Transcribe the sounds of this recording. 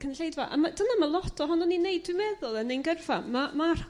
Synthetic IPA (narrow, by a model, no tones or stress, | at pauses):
kʰənɬejdvɔ̰ʔa̰mad̥ənamalˠɔtʰɔɦɔnɔninejd̥wɪmɛðʊlˠənejnɡərvamamar